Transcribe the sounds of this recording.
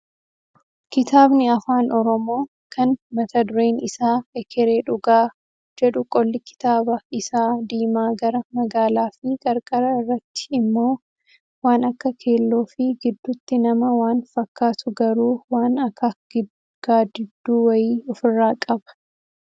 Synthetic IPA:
kɪt̪aːbnɪɐfaːnʔɔɾɔmo̞ː | kʰɐnmɐt̪ɐd̪ʊɾe̞ːnɪsaːɛkʰɛɾeːᶑʊɡaː | d͡ʒɛᶑʊkʼɔlːɪkɪ̥t̪aːbɐɪsaːd̪iːmaːɡɐɾɐmɐɡaːlaːfɪkʼɐɾkʼɐɾɐɪrːɐt̪ːɪ̥ɪmːo̞ː | waːnɐkːɐkʰe̞ːlːoːfɪɡɪd̪ːʊt̪ːɪnɐmɐwaːnfɐkːaːt̪ʊɡɐɾuːwaːnɐkːɐɡ̥ɪd | ɡ̥aːd̪ɪd̪ːuːwɐjiːɔfɪrːaːkʼɐbɐ̥

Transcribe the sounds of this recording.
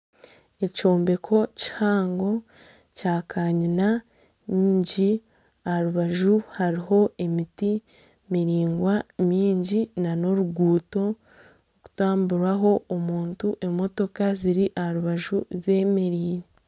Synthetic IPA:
e̞co̞ːmbe̞kʰo̞ci̥haːŋɡo̞ | caːkʰaːɲina | ɲiːɲɟi | ahaɾuβaʒuhaɾiɦo̞e̞miti | miɾiːŋɡwamiːɲɟinano̞ɾuɡuːto̞ | ku̥taːmbuɾwaɦo̞omuːntuʔe̞mo̞to̞kaziɾiʔahaɾuβaʒuze̞meɾiːɾi

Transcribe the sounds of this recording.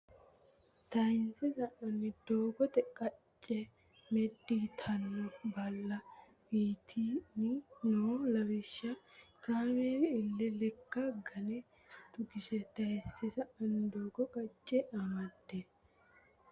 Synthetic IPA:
t̪ɐjɪnsɛsɐʔɐnːɪd̪oːɡɔt̪ʼɛkʼɐt͡ʃʼːɛ | mɛd̪ːiːt̪ʰɐnːɔbɐlːɐ | biːt̪ʰinɪnoːlɐwɪʃːɐkaːmɛdɪlːɪlɛkːɐɡɐnɛ | t̪ʼʊɡɪʃɛt̪ɐjɛsːɛsɐʔɐnːɪd̪oːɡɔkʼɐt͡ʃʼːɛʔɐmɐd̪ːe

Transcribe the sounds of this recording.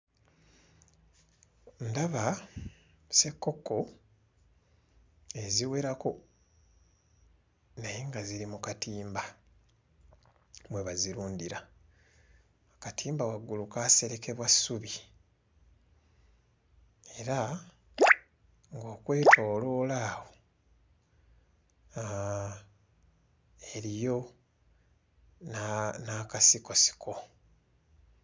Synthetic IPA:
ndaβa | se̞kːo̞kːo̞ | e̞ziwe̞ɾako̞ | najeŋɡaziɾimukatiːmba | mwe̞βaziɾuːndiɾa | katʰiːmbawaɡːulukaːse̞ɾe̞ke̞βwasːuβi | e̞ɾa | ŋɡo̞ːkwe̞ːtʰo̞ːlo̞ːlaːwo̞ | eɾijo̞ | nnaːkasiko̞si̥kʰo̞

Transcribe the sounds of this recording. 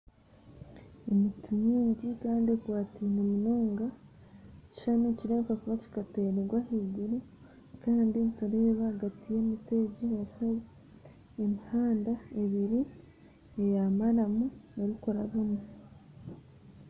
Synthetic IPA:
emitiɲiːɲɟikaːndiekwaːtimumunoːŋɡa | eci̥ʃanuciɾeːkakuβaci̥kateːɾeɡwahiːɡiɾu | kaːndinitaɾe̞ːβaɡatije̞ːmite̞ɟiaɾiho | emihaːndae̞βiɾi | ejamaɾamuneɾiko̞ɾaβume

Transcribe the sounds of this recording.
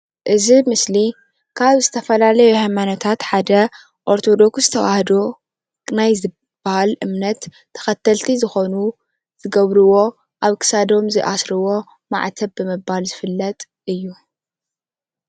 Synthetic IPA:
ʔɨzimɨsli | kʰaβzɨt̪ʰɐfɐlalɐjuhajmanot̪ʰat̪ħad̪ɐ | ʔoɾt̪ʰo̞d̪o̞ksɨt̪ʰɐwahd̪o | najzɨ | b̥ahalʔɨmnɐt̪ʰː | ɐ̥xɐt̪ʰːɐlt̪ʰizɨxo̞nu | z̥ɨɡɐβɾɨwo̞ | ʔaβkʰɨ̥sad̪o̞mzɨʔasɾɨwo̞ | ma̰ʕt̪ʰɐbbɨmɨbːalzɨfɨlːɐt̪ʼ | ɨjːu

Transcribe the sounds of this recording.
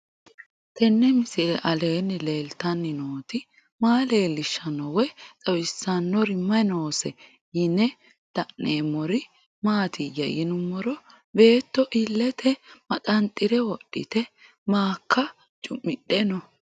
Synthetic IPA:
t̪ɛnːɛmɪsɪɾɛʔɐle̞ːnːɪleːlt̪ɐnːɪnoːt̪ɪ | maːle̞ːlɪʃːɐnɔwɛt͡sʼɐwɪsːɐnːɔɾɪmːɐjnoːsɛ | jɪnɛ | d̪̥ɐnːeːmɔɾɪ | maːt̪ɪjɐ̰jɪnʊmːɔɾɔ | be̞ːt̪ːɔʔɪlːɛt̪ʰɛmɐt̪ʼɐnt̪ʼːɪɾɛwɔɗːɪ̰t̪ɛ | maːkʰːɐ | t͡ʃʼʊmːɪɗɛnɔ

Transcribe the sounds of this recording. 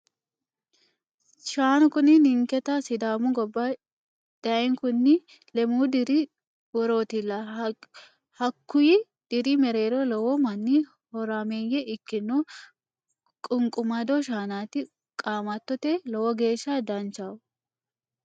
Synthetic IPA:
ʃaːnʊkʊnɪnɪŋkɛt̪asɪd̪aːmʊɡɔbːa | d̪̥ɐɛŋkʊnːɪ | lɛmuːd̪ɪɾi | wɔɾo̞ːt̪ɪlːɐ | hɐkːʊjɪ | d̪̥ɪɾimɛɾeːɾolɔwɔmɐnːi | hɔɾaːmeːjɛɪkːɪnːoː | kʼʊŋkʼʊmɐd̪oʃaːnaːt̪ɪ | kʼaːmɐt̪ːɔt̪elɔwɔɡe̞ːʃːaːd̪ɐnt͡ʃaw

